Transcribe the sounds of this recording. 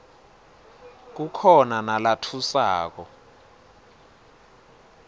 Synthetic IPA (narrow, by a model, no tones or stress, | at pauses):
k̬ukʰɔnanalatʰusaːk̬ɔ